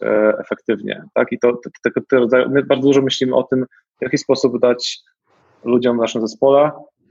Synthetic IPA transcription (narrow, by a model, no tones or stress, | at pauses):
ɛ̰fɛk̚t̪ɘvɲɛ̰t̪a̰kit̪ɔt̪ɛt̪ɛɡɔɛɔɾɔd̪zajṵmɘbaɾd̪ɔd̪uʐɔmɘɕlʲimɘʔɔt̪ɘm | vjakʲispɔsubd̪at͡ɕ | lud͡ʑɔmvnaʂɨmzɛspɔlɛ